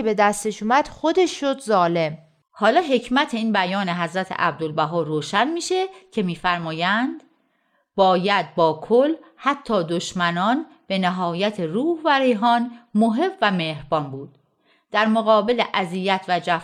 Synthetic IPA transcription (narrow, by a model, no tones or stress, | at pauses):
ebe̞d̪æst̪eʃuːmæd̪̥xo̞d̪e̞ʃːod̪zɒːle̞m | hɒːlɒːɦe̞cʰmæt̪ʰe̞iːnbæjɒːneɦæzɾæt̪ʰḛʔæ̰b̚d̪olbæɦɒːɾoːʃænmiːʃe̞cʰe̞miːfæɾmɒːjænd̪̥ | bɒːjæd̪̚bɒːkʰolhæt̪ʰːɒːd̪oʃmænɒn | b̥e̞neɦɒːjæt̪ʰeɾuːhvæɾejɦɒːnmoɦe̞bvæmehbɒːnbuːd̪̥ | d̪̥æɾmoɣɒːbe̞leʔæzijæt̪ʰvæd͡ʒæ